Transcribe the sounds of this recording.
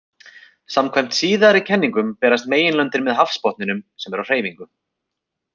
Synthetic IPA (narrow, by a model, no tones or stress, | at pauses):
samkʰvajm̥t̪siːðaɾicʰɛnːiŋkʏmpɛːɾas̬t̪meːjɪnlœnt̪ɪɾmɛðɦafspɔht̪nɪnʏmsɛmɛɾawr̥eːjviŋkʏ